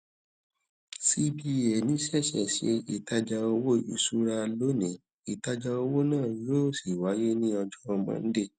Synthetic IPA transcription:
si˦bi˦ɛ˨nĩ˨˦ʃɛ˦˨ʃɛ̰˨ʃḛ˨˧˦i˨ta˧d͡ʒa˧o˧wo˦ḭ˧˨su˦ɾa˧lo˦nĩ˨˦ | i˨ta˧d͡ʒa˧o˧wo˦nãː˦˨˦jo˦˨si˨wa˨˦je˦nĩ˦ɔ˧d͡ʒɔ˦˧ɔ˧mã̰˨˦n̩˦de˦˨

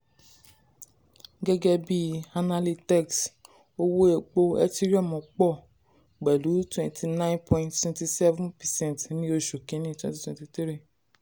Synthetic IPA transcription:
ɡɛ˦ɡɛ˦bi˦a˧na˧li˦tɛ˦˨ks | o˦wo˦e˧k͡po˧ɛ̰˦ti˦ɾi˦ɔ˦˨mɔ̃˨k͡pɔ˦˨ | k͡pɛ˨lu˨˦twɛ̃˧ntʰi˧nã˦ĩ˦npʰɔ̃˨ĩnttwɛ̃˧nti˧sɛ˦vũ˦npɛ˨sɛ̃˦˨tnĩ˦o˧ʃo˨kĩ˨˦nĩ˦twɛ̃˨ti˧twɛ̃˧˨ti˧ti˦ɾi˦˨

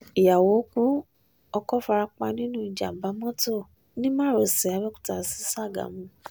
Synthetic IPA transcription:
i˨ja˨wo˨˦ku˦ | ɔ˧kɔ˦fa˧ɾa˧k͡pa˧nĩ˦nũ˦i˧˨d͡ʒa̰˨ba˨˦mɔ̃˦to˦˨ | nĩ˦mã˦ɾo˨sɛ˨a˨˦wɛ˦ku̥˦ta˧˨si̥˦sa˦˨ɡa̰˨mũ˨˧˦

